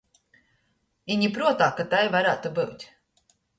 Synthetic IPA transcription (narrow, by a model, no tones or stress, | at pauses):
iɲʲipɾuɔt̪aːkat̪ajvaɾaːt̪ubɨwt̪ʲ